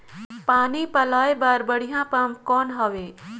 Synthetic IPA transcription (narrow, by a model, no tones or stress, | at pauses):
paːnipəlaːebaːɾbəɽ̤ijãːpamkɔːnɦəʋeː